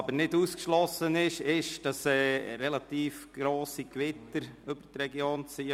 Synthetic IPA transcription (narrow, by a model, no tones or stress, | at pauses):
bəɾnɪduskʃlɔsənɪʃɪʃd̥ɑsɛːɾɛlɑt̪iːfɡ̥ɾoːsikʋɪt̪əɾʏbəɾtrɛɡjoːnt͡siːə